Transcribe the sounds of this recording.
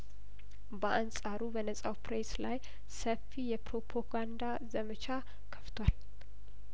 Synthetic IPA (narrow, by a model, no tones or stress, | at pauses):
bəʔansʼaɾubənəsʼawpɾeslaj | səfːijɛpɾo̞pʰoɡand̪a | zəmət͡ʃʰa | kʰə̥ft̪ʰowal